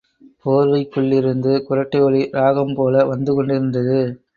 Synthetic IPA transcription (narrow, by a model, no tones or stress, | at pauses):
poːɾʋɐɪkːɯɭːɪɾɯnd̪ɯkʊɾɐʈːɐɔɭiɾaːɣɐmpoːlɐʋɐnd̪ɯkɔɳɖɪɾɯnd̪ɐðɯ